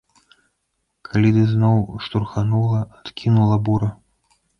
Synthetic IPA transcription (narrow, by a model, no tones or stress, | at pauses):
kʰalʲid̪ɨznɔwʂt̪urxanulˠɐat̪kʲinulˠɐbuɾɐ